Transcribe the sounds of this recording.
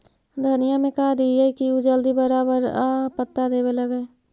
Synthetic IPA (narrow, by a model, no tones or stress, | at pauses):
d̪ʱənijamẽkad̪id͡ʒaikiud͡ʒəld̪ibəɾabəɾapət̪ːad̪eːbeləɡəː